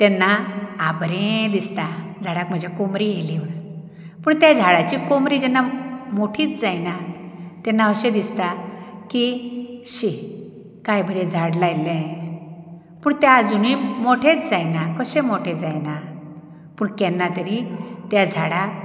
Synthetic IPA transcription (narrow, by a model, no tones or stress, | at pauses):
t̪ɛnːaːbɾẽd̪ist̪ad͡zʱaɽakm̤əd͡ʑʱjakomɾijeliʋɽ | puːɳt̪jad͡zʱaɽat͡ɕiːkomɾiːd͡ʑɛnːamoʈʰiːt͡sd͡zajnat̪ɛ̃nːaəɕẽd̪ist̪akiɕi | kajbʱəɾẽd͡zʱaɽlajlɛ̃ | puːɳt̪ɛad͡zunimoʈʰẽt͡sd͡zajnakəɕẽmoʈʰẽd͡zajna | puːɳkɛnːat̪əɾit̪jad͡zʱaɽak